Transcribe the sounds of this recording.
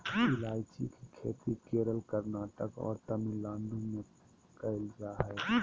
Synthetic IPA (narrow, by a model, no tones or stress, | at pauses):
ɪlaːjt͡ʃikikʰḛːt̪ikeːɾəlkəɾnaːʈəkɔ̰ːɾt̪əmilãːɳɖõmẽ | kaɪlzaɦɛː